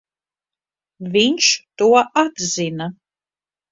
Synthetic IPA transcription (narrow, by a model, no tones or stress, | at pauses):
viɲʃt̪uɔʔad̪zina